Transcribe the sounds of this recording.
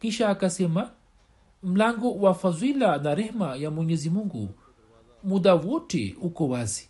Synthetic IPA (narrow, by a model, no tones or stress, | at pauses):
kiʃaːkasɛma | m̩laŋɡɔwafazwilanaɾɛhmajamwɛɲɛzimuŋɡṵ | muɗawɔtɛ̰ukɔwazi